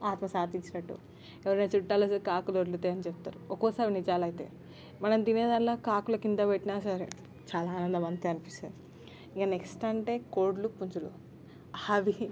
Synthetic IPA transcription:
aːt̪mɐsaːt̪iɲt͡ʃinɐʈːṵ | ɛʋɐɾɐneːt͡ʃuʈːaːlɐsɐɾikaːkud̪oɽlut̪eɐnit͡ʃep̚t̪a̰ːɾuɔkoːsaːʋinid͡ʒaːlɐjit̪ḛː | mɐnɐmd̪ineːd̪aːnloːkaːkulɐkind̪ɐʋeʈːinaːsaɾḛ | t͡ʃaːlaːnɐnd̪ɐmɐnt̪iɐnipist̪aɾ | iŋkɐneksʈɐɳʈe̞ːkoːɾɖlupuɲd͡ʒulu | aʋi

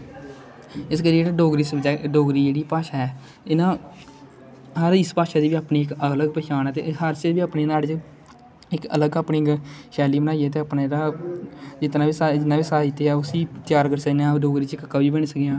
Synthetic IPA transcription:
ɪskəɾiːd͡ʒeːaːɖoːɡɾiːsd͡ʒɛːɖoːɡɾiːd͡ʒeːɽiːpaːʃaːɛː | ɪnãː | ɦəɾɪspaːʃaːd̪iːʋiːaːpniːɪkələɡpɛːt͡ʃaːnɛːt̪ḛːɦəɾt͡ʃəʋiːaːpneːnaːɽt͡ʃ | ɪkə̰ləɡaːpnĩːɡʃɛːliːbənaːiɛːt̪̬eːaːpnaːɾaː | d͡ʒɪt̪naːʋiːsad͡ʒɪnãːʋiːsaːit̪eːɛːʊsiːt̪jaːɾkəɾsəneãːɖoːɡɾiːt͡ʃɪkkːaːʋiːbəɳ̃səkejãː

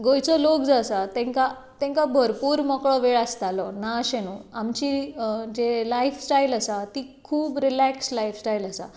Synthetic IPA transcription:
ɡojt͡sɔlok̚d͡zasat̪ɛ̃ŋka | t̪ɛ̃ŋkabʱəɾpuːɾmɔkɭɔʋeɭast̪alɔnaɕenuamt͡ɕid͡ʑelaifsʈailasat̪ikʰuːbɾilækslajfsʈailasa̰

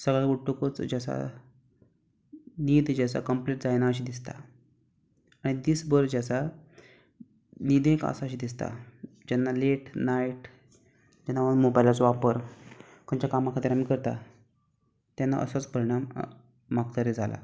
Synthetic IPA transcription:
səɡɭaɡuʈːukət͡sd͡ʑasa̰ | niːd̪d͡ʑasa̰kəmpleʈd͡zajnaəɕ̬iːd̪ist̪a̰ | aɽ̃id̪iːsbəɾd͡ʑasa | nid̪ẽka̰saɕiːd̪ist̪a̰ | d͡ʑanːaleʈnaiʈ | d͡ʑanːaməmobajlat͡sʋapəɾ | kənt͡ɕakamːakʰat̪iɾamiːkəɾt̪a̰ | t̪janːa̰ʔə̰sat͡spəɾiɽ̃am | mak̚t̪əɾed͡zʱala̰

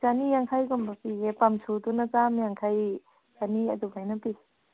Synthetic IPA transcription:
t͡ʃanijaŋkʰajɡɔmbapijepamsudunat͡ʃamjaŋkʰaj | t͡ʃaniɐdubajnapi

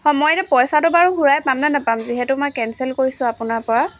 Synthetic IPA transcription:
xɔmɔjtɛpɔjsatʊbaɹuɦuɹajpamnɛnapamziɦɛtʊmɔjkɛnsɛlkoɹisʊ̃apʊnaɹpɔɹa

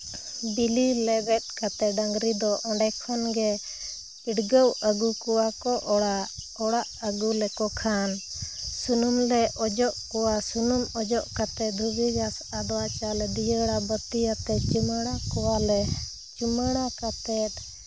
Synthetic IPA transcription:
bililɛbɛt̪̚ˀkat̪ɛəŋɡɾid̪ɔʔɔɳɖɛkʰɔnɡɛ | iɖɡəwəɡukɔwakɔʔa | ɔɽaʔəɡulɛkɔkʰan | sunumlɛʔɔd͡ʒɔʔkɔwasunumɔd͡ʒɔʔkat̪ɛd̪ʱubiɡasad̪ɔwat͡ʃalɛd̪ijəɽabət̪ijat̪ɛt͡ʃuməɽ̃akɔwalɛ | t͡ʃuməɽ̃akat̪ɛʈ

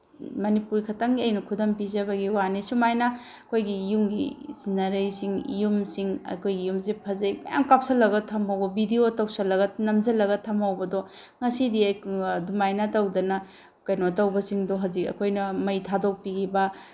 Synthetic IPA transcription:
mɐnipuɾikʰɐtɐŋiɐjnɐkʰudɐmpizɐbɐɡiwanisumajnɐ | ɐkʰojɡiːjumɡḭsinɐɾɐjsiŋḭjumsiŋɐ̰kʰojɡiːjumsepʰɐzɐjmɐ̰ja̰ŋkap̚sɐlːɐɡɐtʰɐmɦɐwbɐbidiotɐwsɐlːɐɡɐnɐmzɐlɐɡɐtʰɐmawbɐdɔ | ŋɐsidiɐjdumajnɐtɐwdɐnɐ | kɐjnotɐwbɐsiŋdoɦazikɐ̰kʰojnɐmɐjtʰadok̚piɡʰibɐ

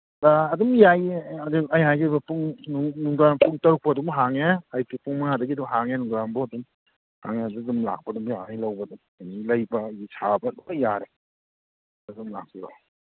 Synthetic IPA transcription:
daɐdumjajɐduajɦajɡɯbɐpuŋnuŋnuŋdanpuŋtɐɾuk̚pɐdumɦaŋeajpipuŋmaŋadɐɡidumɦaŋenuŋdanboɐdum | ha̰ŋeadidumla̰k̚pɐdumjanijlɐwbɐdum | ajnilɐjbɐisʰabɐdajaɾe | dadumla̰k̚piba̰

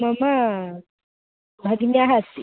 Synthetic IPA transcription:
mama | bʱaɡiniaɦasi

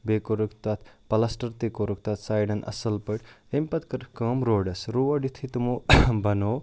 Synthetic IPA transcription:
bekoɾukt̪at̪ʰpɐlɐsʈɐɾt̪ekoɾuk̚t̪ɐt̪ʰsaːjɖɐnʔɐ̰sɐlpəʈempɐt̪̚kɐɾkɐːmɾoːɖɐsɾuʋɐɖit̪ʰit̪umobɐno

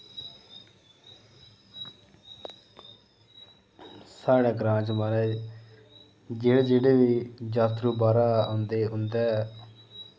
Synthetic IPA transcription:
saːɽaːɡɾãːt͡ʃmaɾɛː | ɡeɽd͡ʒeːɽeːʋiːd͡ʒaːt̪ɾuːbaːɾaːnd̪eːɦʊnd̪aːɛ

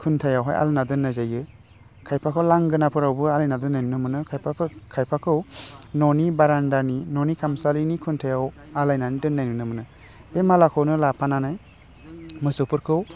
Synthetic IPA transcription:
kʰuntʰajawɦa̰jʔa̰lnadɯnːazajɯ | kʰajpʰakʰɯwlaŋɡɯnapʰɯɾawbɯalajnadɯnːajnunɯmɯnɯkʰajpʰapʰkʰajpʰakʰɯwnɔnibaɾandaninɔnikʰamsalinikʰuntʰajaw | alajnanidɯnːajnɯnɯmɯnɯ | bemalakʰɯwnɯlapʰananaj | mɯsɯpʰɯɾkʰɯw

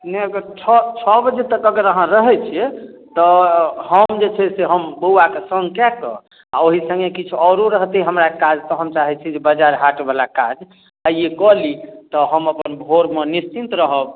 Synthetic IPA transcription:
nɛəɡəɾt͡ʃʰɔt͡ʃʰɔbəd͡ʒet̪əkəɡəɾəɦãɾəɦɛt͡ʃʰiɛt̪ɔhəmd͡ʒet͡ʃʰɛseɦəmbəakesə̃ŋɡkɛkɔ̰ | a̰oɦisə̃ŋɡekit͡ʃʰuɔɾoɾəɦt̪iɦəmɾaekad͡ʒt̪ɔɦəmt͡ʃaɦɛt͡ʃʰid͡ʒebəd͡ʒaɾɦaʈbalakad͡ʒ | aekɔlit̪ɔɦəməpənbʱoɾmenist͡ʃint̪ɾəɦəb

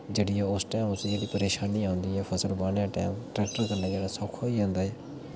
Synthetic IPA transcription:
d͡ʒeːɽiːɛːʊsʈɛːmʊsd͡ʒeːɽiːpəɾeːʃaːniːãːʊ̃nd̪iːɦɛːpʰəsəlbaːɳjãːʈɛ̰ːmʈɾɛːk̚ʈəɾkənːaːd͡ʒeːɽaːsɔːkʰoːiːãːnd̪aːɛː

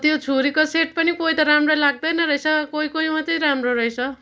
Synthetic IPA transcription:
t̪jot͡sʰuɾikʌseʈ̚pʌnikoit̪ʌɾamrʌlaɡ̚d̪ʌjnʌɾʌjt͡sʰʌkoikoimʌt̪ʌɾamroɾʌjt͡sʰʌ

